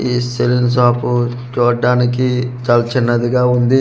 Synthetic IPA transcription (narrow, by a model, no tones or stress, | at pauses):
iːselins̬aːpu | t͡ʃoːɖaːnik̬it͡ʃɐlɐt͡ʃinːɐd̪iɡaːund̪i